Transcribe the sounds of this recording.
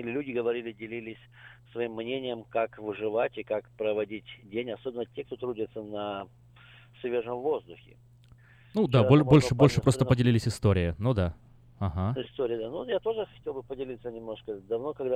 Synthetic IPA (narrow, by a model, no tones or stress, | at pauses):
ɪlʲɪlʲʉdʲɪɡəvɐɾʲilʲɪdʲɪlʲilʲɪsʲ | svɐimːnʲenʲɪjəmkakvɨʐɨvatʲɪkakpɾəvɐdʲitʲdʲenʲɐsobɪnːətʲekt̪o̞t̪ɾudʲɪt̪sənɐ | svʲeʐəmvo̞zd̪ʊxʲɪ̰ | nud̪aolʲbolʲʂɨbo̞lʲʂɨpɾo̞st̪əpədʲɪlʲilʲɪsʲɪst̪o̞ɾʲɪɪnud̪a | aɦaɪst̪oɾʲɪəd̪anujat̪o̞ʐɨxɐtʲelˠbɨpədʲɪlʲit̪sənʲɪmno̞ʂkəd̪ɐvno̞kɐɡd̪a